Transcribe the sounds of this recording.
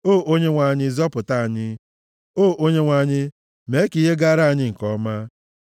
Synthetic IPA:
o˦˨ʔo˦ɲe˦ŋʷa˨ɲɪ˦zɔ˦pʊ˨ta˦˨a˨ɲɪ˦ | o˦˨ʔo˦ɲe˦ŋʷa˨ɲɪ˦ | me˨˦ki˦ɦe˦ɡa˦ɾa˦a˨ɲɪ˦ŋ̩˨kɔ˦ma˦

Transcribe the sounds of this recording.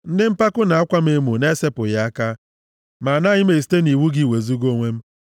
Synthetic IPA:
n̩˦dɪ˦m̩˦pa˦kʊ˦na˨a˦kʷa˦m̩˦e˦mu˨ne˦se˦pʊ˨ja˨a˦ka˦ | ma˨na˦ɲɪ˦me˨si̥˨˦te˦ni˨wu˦ɡi˦˨we˨zu˦ɡo˦ŋʷe˦m̩˦

